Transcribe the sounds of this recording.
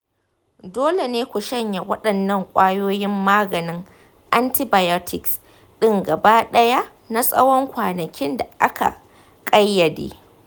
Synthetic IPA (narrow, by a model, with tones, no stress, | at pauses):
doː˦le˨neː˦kʷu˨ʃɐ˦ɲja˨wɐ˦ɗɐ˨nːɐ˦ŋkʷʼaː˦joː˦jɪ˦mːaː˦ɡɐ˨nɪ˦ŋ | ʔa˦ntɪ˦ba˨jɔ˦tʰɪ˨ks | ɗɪ˦ŋɡɐ˨ba˦ɗɐ˦ja˦ | na˦sʼɐ̰˦wɔ˦ŋkʷaː˨nɐ˨kʲʰɪ˦nda˨ʔa˦ka̰˨ | kʼɐ˦jːɐ˨dḛː˦